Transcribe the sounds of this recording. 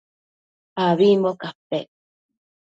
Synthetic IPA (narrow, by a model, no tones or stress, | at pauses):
aβimokape